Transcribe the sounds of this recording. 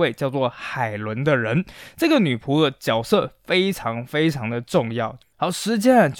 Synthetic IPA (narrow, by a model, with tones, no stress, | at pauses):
we˥˧ɪt͡ɕjɑ˥˧ʊt͡swɔ˥˩xa˨˩ɪlwə˧˥nd̪ə˧ɻə˧˥nʈ͡ʂɤ˥˩ɡə˩ny˨˩pʰu˧˥d̪ə˧t͡ɕjɑ˨˩ʊsɤ˥˩fe˥ɪʈ͡ʂʰɑ˧˥ŋfe˥ɪʈ͡ʂʰɑ˧˥ŋd̪ə˨ʈ͡ʂʊ˥˧ŋjɑ˥˩ʊ | xɑ˧˥ʊʂɻ̩˧˥t͡ɕjɛ˥n˨t͡ɕ